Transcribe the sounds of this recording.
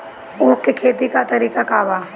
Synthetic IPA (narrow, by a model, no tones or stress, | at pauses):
ʊːkːekʰeːt̪ikat̪ɐɾiːkakaːʋaː